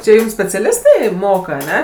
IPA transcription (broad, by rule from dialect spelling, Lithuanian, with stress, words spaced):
t͡ʃʲɛ ˈjʊm sʲpʲɛt͡sʲɛˈlʲɪstɐɪ ˈmoːkɐ ɐˈnʲɛ